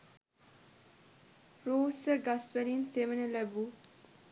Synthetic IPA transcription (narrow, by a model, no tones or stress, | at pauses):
ɾoːsəɡɐsʋelinseʋənəlæbu